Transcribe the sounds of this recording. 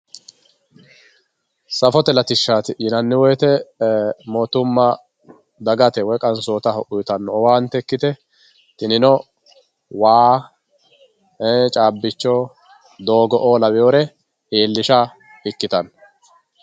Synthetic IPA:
sɐfɔt̪ɛlɐt̪ɪʃːaːt̪ɪjɪnɐnːɪwɔjt̪ɛ | mɔt̪ʊmːɐ | d̪ɐɡɐt̪ɛwɔkʼɐnsoːt̪ɐɦɔʔʊjt̪ɐnːɔwaːnt̪ɛkːɪt̪ɛ | t̪ɪnɪnɔ | waː | et͡ʃʼaːbːɪt͡ʃːɔ | d̪oːɡɔʔoːlɐwɪjoːɾɛ | eːlːɪʃa | ɪkːɪt̪ɐn

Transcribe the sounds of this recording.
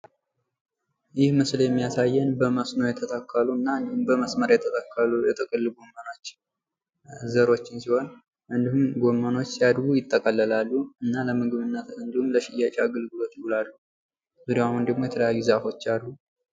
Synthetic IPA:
jɪhmɨsljɛmːijasajːɛnbəməsnowjɛt̪ʰət̪ʰəkʰːəluɨnːand̪umbəməsməɾjɛt̪ʰət̪ʰakʰːəlujɛt̪ʼɨkʼɨlːɡomːəno̞t͡ʃː | zəɾo̞t͡ʃːɪnsiho̞n | ʔɨnd̪ihumɡomːəno̞t͡ʃːsijad̪ɡujɪt̪ʼːəkʼəlːəlalːuɨnːaləmɨɡɨβɨnːət̪ɨnd̪humləʃɪjat͡ʃʼaɡɨlɡɨlo̞t̪jɪwulalːu | z̥ud̪aahund̪əɡmo̞jɛt̪ʰələjajːuzafo̞t͡ʃːalːu

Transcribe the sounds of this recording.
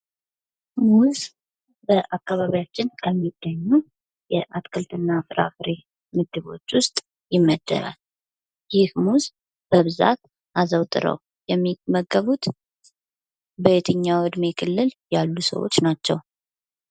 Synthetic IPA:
muz | bəʔakːaβaβijat͡ʃːɪnkʰəmːiɡːəɲːu | jɛʔat̪kʰɨlt̪ʰɨnːafɨɾa̰fɨɾe | mɨɡ̪ɨβo̞t͡ʃːwʊst̪ʼ | jɪmːəd̪ːə̰ɾa̰l | jɪhmuz | b̥əβɨza̰t̪ | ʔazəwt̪ʼɨ̰ɾə̰w | jɛmːiməɡəβut̪ | bəet̪ʰɨɲːawɨd̪me̞kʰɨlːɨljalːusə̰wo̰t͡ʃːnat͡ʃːɛw

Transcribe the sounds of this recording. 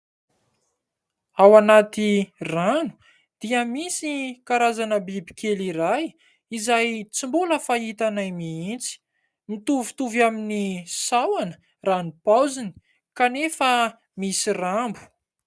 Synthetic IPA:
awanat̪iranu̥ | d̪̥iəmisikaɾazanəbibi̥kʰeliɾaj | izajt͡simbuləfaɦit̪anajmiint͡si̥ | mit̪uvi̥t̪uvjaminisawanə̥ | ranipawzini̥ | kanefə | misirambu̥

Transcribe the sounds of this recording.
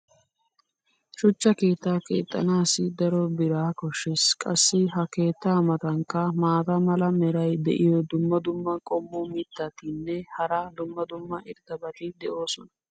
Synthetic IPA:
ʃʊt͡ʃːɐke̞ːt̪ːaːke̞̰ːt̪ʼːɐ̰naːsɪd̪ɐɾɔbɪɾaːkɔʃːeskʼɐsːɪɦɐke̞ːt̪ːaːmɐt̪ɐŋkːɐmaːt̪ɐmɐlɐmɛɾɐjd̪ɛ̰ʔɪjɔd̪ʊmːɐd̪ʊmːɐkʼɔmːɔmɪt̪ːɐt̪ɪnːɛhɐɾaːd̪ʊmːɐd̪ʊmːɐʔɪɾt̪ɐbɐt̪ɪd̪ɛʔo̞ːsɔnɐ

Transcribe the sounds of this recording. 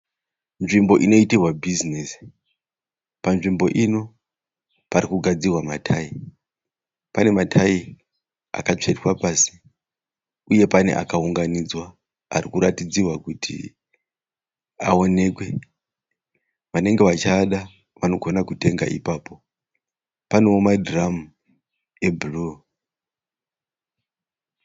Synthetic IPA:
nʐimbo̞ʔino̞itirwabʱizinesi̥ | panʐimbo̞ʔino̞ | paɾikuɡʱad͡zirwamatʰai | pane̞matʰai | a̰kat͡ʂe̞twapaːsi̥ | uje̞pane̞̰ʔa̰kauŋɡanid͡zwa | a̰ɾikuɾatid͡zirwakutʰḭ | ao̞ne̞kwe̞ | ʋane̞ŋɡe̞ʋat͡ʃaɗa | ʋano̞ɡʱonakute̞ŋɡa̰ʔḭpaːpo̞ | paneomadramu | ebulu

